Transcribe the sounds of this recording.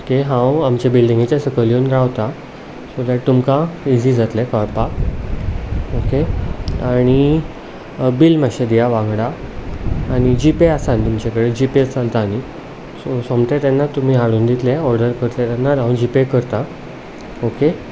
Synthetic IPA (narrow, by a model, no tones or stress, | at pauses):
okeɦãwamt͡ɕabilɖĩŋɡet͡ɕjasəkəljoːnɾaʋt̪a | sod̪aʈ̚t̪umkãid͡ʑid͡zat̪lɛkɔɾpa | okeaɽ̃i | bilməɕed̪ijaʋãŋɡɽaː | ɽ̃id͡ʑipeasant̪umt͡ɕakəɽed͡ʑipet͡salt̪ani | sosomt̪et̪anːat̪um̤iːɦaɽuːnd̪it̪lɛɔɾɖəɾkəɾt̪et̪anːaɾɦãũnd͡ʑipekəɾt̪a | oke